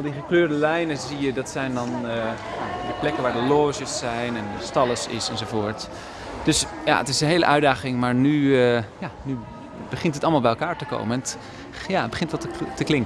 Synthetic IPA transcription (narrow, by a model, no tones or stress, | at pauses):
lˠdiχəkløːɹdəlɛjnəzijədɑtsɛjndɔn | jadəplɛkəʋaːɹdəloːʒəsːɛjnɛnəstɑlˠəsɪ̰sɛnzovoːɹt | d̥øsja̰ə̰tɪsənɦeːləʔœɥdaːχɪŋmaːɹnyjany | bəχɪntɦətɑlˠmalˠbɛjɛlˠkaːɹtəko̰wməɛnt | jabəχɪntʋɔtətəklɪŋkə